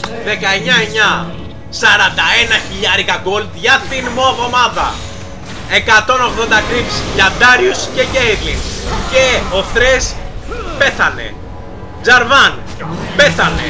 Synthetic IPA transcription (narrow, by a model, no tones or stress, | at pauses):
ðe̞kɐeɲɐe̞ɲɐ | sɐɾɐnd̪ɐe̞nɐçiʎɐɾikɐɡo̞ld̪ʝɐt̪inmo̞ðo̞mɐðɐ̰ | e̞kɐt̪o̞no̞ɣðo̞nd̪ɐt̪ɾiksʝɐd̪ɐɾiusce̞ʝeiɾlinsce̞o̞θɾespe̞θɐne̞̰ | d͡zɐɾvɐn | pe̞θɐne̞̰